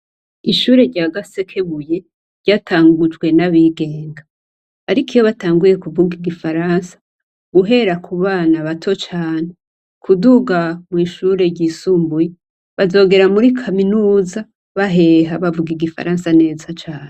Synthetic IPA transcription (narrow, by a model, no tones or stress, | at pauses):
iʃuːɾe̞ɾɟaːɡase̞kʰe̞βuje̞ | ɾɟaːtʰaːŋɡud͡ʒɡwe̞naβiɡe̞ːŋɡa | aɾikijo̞βataːŋɡuje̞kuvuɡiɡifaɾansḁ | ɡ̥uɦe̞ɾakʰuβaːnaβatʰo̞t͡ʃaːne | kʰuduɡamŋiːʃuːɾe̞ɟiːsuːmbuje | βazo̞ːɡe̞ɾamuɾikʰaminuːza | βaɦe̞ɦaβavuɡiɡifa̰ɾaːnsane̞ːzat͡ʃaːn̥e